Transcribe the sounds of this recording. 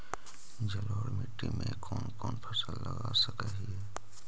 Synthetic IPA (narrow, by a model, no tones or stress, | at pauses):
d͡ʒəloːɾmɪʈɾimẽkɔːnkɔːnpʰəsəlːəɡasəkəɦiɦɛː